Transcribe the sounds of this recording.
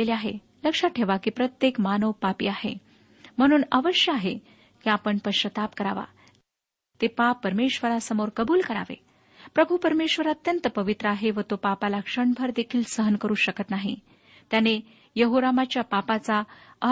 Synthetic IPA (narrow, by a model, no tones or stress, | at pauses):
eliaɦḛ | ləkʂaʈʰeʋakiːpɾət̪jekmanəʋpapḭːahḛ | m̤əɽ̃uːnaʋəɕjəaɦe | kiapəɳpəɕət̪apkəɾa̰ʋa̰ | t̪epapːəɾmeɕʋəɾasəmoɾkəbuːlkəɾa̰ʋḛ | pɾəbʱupəɾmeɕʋəɾaət̪jənt̪əpəʋit̪ɾəaɦeʋət̪opapalakʂəɳbʱəɾd̪ekʰiːlsəɦənkəɾuːɕəkət̪naɦḭ | t̪jane | jəɦoɾamat͡ɕjapapat͡saə